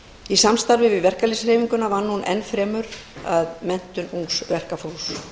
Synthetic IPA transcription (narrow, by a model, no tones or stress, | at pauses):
isamst̪aɾvɪvɪðvɛr̥kalisreːviŋkʏnavaɾnunɛ̰nːfɾɛːmʏɾaðmɛn̥t̪ʏnuŋsvɛr̥kafows